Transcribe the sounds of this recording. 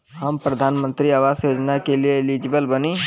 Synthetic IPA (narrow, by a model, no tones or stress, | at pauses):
ɦɐmpɾəd̪ʱaːnmə̃nt̪ɾiaʋaːsjoːd͡ʒnakelieːlid͡ʒbəlbəni